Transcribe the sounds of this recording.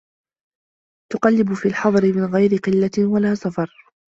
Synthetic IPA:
t̪ʊqɑlːɪbʊfiːlħɑðˤɾɪmɪnɣajɾɪqɪlːawalaːsafɑɾˤ

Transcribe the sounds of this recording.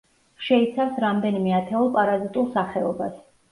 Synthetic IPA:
ʃɛit̪sʰafsɾamd̪ɛnimɛat̪ʰɛulˠpʼaɾazit̪ʼulˠsaχɛɔbas

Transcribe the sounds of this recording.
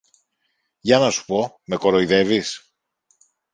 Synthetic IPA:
ʝɐnɐsu̥po̞ | me̞ko̞ɾo̞iðe̞vis

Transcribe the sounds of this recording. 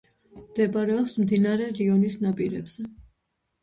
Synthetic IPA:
md̪ɛpʼaɾɛɔpsmd̪inaɾɛɾiɔnisnapʼiɾɛ̰bz̥ɛ

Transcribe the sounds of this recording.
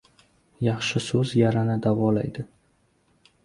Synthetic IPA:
jɑχʃɪsɵzjaɾanad̪avɒla̰jd̪ɪ

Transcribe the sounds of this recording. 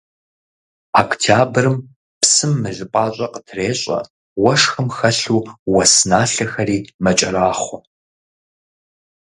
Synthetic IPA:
akʷtʰjaːbrɨm | psɨmːɨɮɨpʼɑːɕʼɐqətʰreːɕʼɐ̰ | wɐʂxɨmxɐɬuːwɐsnaːɬɐxɐɾiːmɐt͡ʃʼɐraːχʷɔ

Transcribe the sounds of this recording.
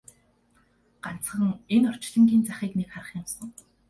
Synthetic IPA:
ɢ̥an̥t͡s̆χə̆ŋenɔr̥t͡ɕɮə̆ŋɡʲiːnt͡saχiːknikχaɾə̆χjɪ̆msə̆ŋ

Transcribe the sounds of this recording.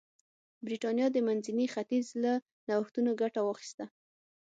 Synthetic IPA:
bɾiʈɑnjɑd̪əmanzinixat̪izla | nawaxt̪unoɡaʈawɑxi̥st̪a

